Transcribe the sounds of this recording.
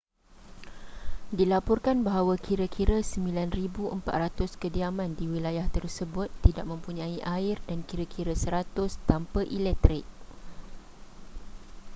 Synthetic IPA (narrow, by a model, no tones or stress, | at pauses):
dilapɔrkanbaɦawakʰiɾakʰiɾasəmbilanribuʔəmpa̰t̪̚rat̪ʊskədiamãndiwilajaht̪ərsəbʊt̪ːidaʔ̚mə̃mpuɲãiʔaɪrdankiɾakʰiɾasəɾat̪ʊst̪ampaʔilɛk̚t̪ɾɪk̚